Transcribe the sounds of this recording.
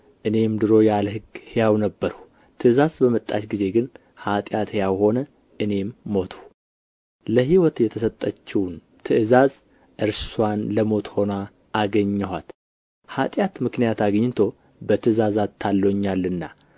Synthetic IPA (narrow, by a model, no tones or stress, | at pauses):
ʔɨne̞md̪ɨɾo̞jalhɨɡhejawnəbːəɾh | t̪ʰɨʔɨzazbəmət̪ʼːa̰t͡ʃɡize̞ɡɨn | hat̪ʼjat̪hjawho̞nə | ʔɨne̞mːo̞t̪ʰu̥ | ləɦiwɔt̪jɛt̪ʰəsət̪ʼːət͡ʃːiwn | t̪ʰɨʔɨzaz | ʔɨɾsswanləmo̞t̪ho̞na | ʔːɡəɲːɛhat̪ | hat̪ʼjat̪mɨknijat̪aɡɲːɪt̪ʰo̞ | bət̪ʰɨzazat̪ʰːalːoɲːalːɨnːa